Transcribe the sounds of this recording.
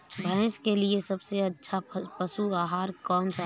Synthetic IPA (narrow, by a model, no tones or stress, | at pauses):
bʱɛ̃ːskeliesɐbseɐtːʃʰapɐʃuaːɦaːɾkɔːnsa